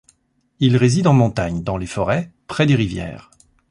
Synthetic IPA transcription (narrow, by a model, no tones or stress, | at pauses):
ilʁezid̪ɑ̃mɔ̃t̪aɲd̪ɑ̃lefɔʁɛpχɛd̪eʁivjɛ̰ːʁ